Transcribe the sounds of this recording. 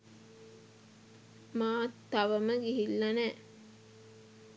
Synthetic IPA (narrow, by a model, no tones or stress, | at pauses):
maːt̪ːaʋəməɡiɦilːɐnæː